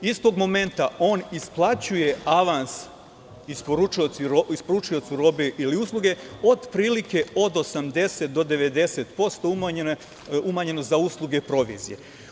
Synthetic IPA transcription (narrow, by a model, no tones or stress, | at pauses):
ist̪o̞ɡmo̞me̞nt̪ao̞ːnisplˠat͡ɕuje̞aʋans | ispoɾut͡ʃujot̪siɾoispoɾut͡ʃujo̞t̪siɾo̞beʔiliuslˠuɡe̞o̞d̪pɾiːlike̞o̞d̪o̞samd̪e̞set̪̚d̪o̞d̪e̞ʋe̞d̪e̞se̞t̪po̞st̪om | umaɲe̞nozauːslˠuɡe̞pɾo̞ʋḭzije̞̰